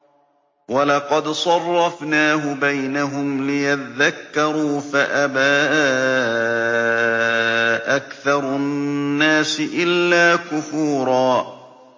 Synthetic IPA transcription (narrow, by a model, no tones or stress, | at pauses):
walɑqɑd̪sˤɑrˤːɑfnaːɦʊbajnaɦʊmlɪjat̪ðakːɑɾˤuːfaʔabaː | ʔakθɑɾˤʊnːaːsɪʔɪlːaːkʊfuːɾˤɑː